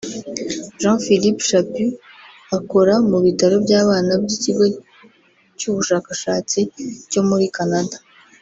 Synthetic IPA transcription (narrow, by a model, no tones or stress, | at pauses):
ʒãfilipʃapi | ako̞ɾamuβitaɾo̞bɟaːβaːnabɟiciɡo | cuːβuʃaːkaʃaːt͡sico̞muɾikanadḁ